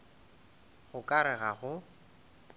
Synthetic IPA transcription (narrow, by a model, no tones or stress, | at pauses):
ɣʊkʼaɾɛɣaɣʊ